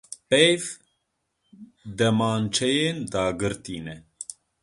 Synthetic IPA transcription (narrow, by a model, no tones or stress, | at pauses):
pɛjv | d̪ɛmɑːnt͡ʃʰɛjeːnd̪ɑːɡɨɾt̪iːnɛ